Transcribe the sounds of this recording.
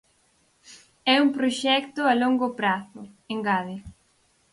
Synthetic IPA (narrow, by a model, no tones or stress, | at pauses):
ɛumpɾoʃɛkt̪ʊaloŋɡʊpɾaθʊ | eŋɡaðɪ